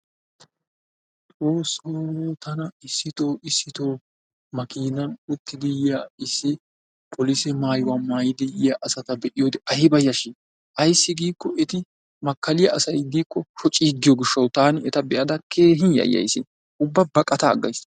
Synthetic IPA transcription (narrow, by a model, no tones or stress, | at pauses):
t̪ʼɾoːsːoːt̪ɐnɐɪsːɪt̪o̞ːʔɪsːɪt̪o̞ː | mɐkʰiːnɐnʊt̪ːɪd̪ɪjjaɪsːɪ | pʰɔlisɛmaːjʊwamaːjɪd̪ɪjjaʔɐsɐt̪ɐbɛʔɪjod̪ɛʔɐhɪbɐjːɐʃɪ | ʔɐjsːɪɡiːkːɔʔɛt̪ɪ | mɐkːɐlɪjɐɐsɐjɡiːkːɔʃɔt͡ʃʼːid̪ːɪjɔɡɪʃːɐwt̪aːnɪɛt̪ɐbɛʔɐd̪ɐkʰeːɦɪnjɐ̰jːɐ̰jsɪ̰n | ʊbːɐbɐkʼːɐt̪ɐ̰ːɡːɐ̰js